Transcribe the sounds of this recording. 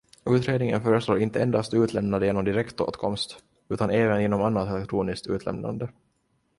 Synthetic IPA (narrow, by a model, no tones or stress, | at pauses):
ʉ̟ːt̪ɾeːd̪nɪŋə̰nfœːɾəsloːɾɪnt̪əɛnd̪ast̪ʉ̟ːt̪lɛmnand̪əjeːnɔmd̪ɪɾɛkt̪o̰ːt̪kʰɔmst̪ | ʉ̟ːt̪anɛːvənjeːnɔmanːat̪ɛlɛkt̪ʰɾuːnɪskt̪ʉ̟ːt̪lɛ̰mna̰nd̪ə